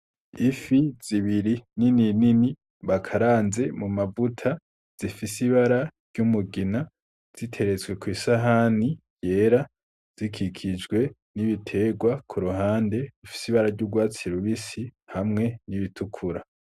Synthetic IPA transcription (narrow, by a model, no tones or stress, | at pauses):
ifiz̥iβiɾinininini | βakʰaɾaːnze̞mumavutʰa | z̥ifisiβaɾaɾɟ̥umuɡina | z̥itʰe̞ɾe̞zɡwe̞kwiːsaɦanije̞ːɾa | z̥ikʰikʰid͡ʒɡwe̞ | niβitʰe̞ːɡwakʰuɾuɦaːnde̞zifi̥siβaɾaɾɟuɡwaːt͡siɾuβisihamŋe̞niβitʰukʰuɾa